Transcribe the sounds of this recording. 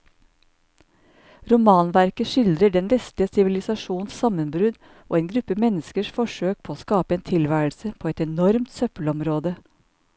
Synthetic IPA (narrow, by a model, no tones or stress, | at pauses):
ɾʊmɑːnʋæɾkəʂɪld̪ɾəɖɛnʋɛst̪ɪəsɪʋɪlɪsɑʃuːnssɑmənbɾʉd̪ | ʔo̰ːeːnɡɾʉpːəmɛnəskəʂfɔʂøːk̚pʰoːoːskɑːpəeːnt̪ʰɪlʋæːlsəpʰoːɛt̪ɛnɔɾmt̪sœpəlɔmɾoːd̪ə